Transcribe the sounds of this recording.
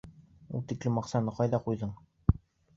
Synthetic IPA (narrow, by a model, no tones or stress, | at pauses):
ṵlˠt̪iklɘmɑqsɑnɤqɑjðɑqujðɤɴ